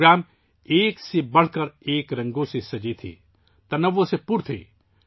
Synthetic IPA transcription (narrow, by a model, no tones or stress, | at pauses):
ɾaːm | eːksebɐɽ̤kəɾeːkɾɐ̃ŋɡõsesɐd͡ʒit̪ʰḭ | t̪ɐnəʋːõsepuɾt̪ʰḭ